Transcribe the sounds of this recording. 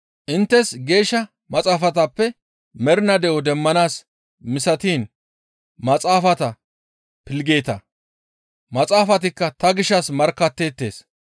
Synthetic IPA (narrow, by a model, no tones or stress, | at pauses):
ʔɪnt̪ːɛsɡe̞ːʃːɐ | mɐt͡sʼaːfɐt̪ɐpːɛ | mɛɾɪnɐd̪ɛwɔd̪ɛmːɐnaːs | mɪsɐt̪iːn | mɐt͡sʼaːfɐt̪ɐ | pɪlɡe̞ːt̪ɐ | mɐt͡sʼaːfɐt̪̬ɪkːɐt̪ɐɡɪʃɐsmɐɾkːɐt̪ːe̞ːt̪ːe̞ːs